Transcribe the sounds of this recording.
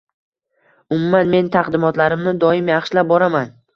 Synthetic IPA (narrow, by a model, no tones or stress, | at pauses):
ʊmumanme̞nt̪ʰaqd̪ɪmɒt̪laɾɪmnɪd̪ɒɪmjaχʃlap̚bɒɾaman